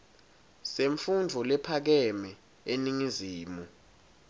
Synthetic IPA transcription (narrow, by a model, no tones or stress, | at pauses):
seɱfundʱɔlɛpʰak̬ɛmɛ | eniŋiziːmu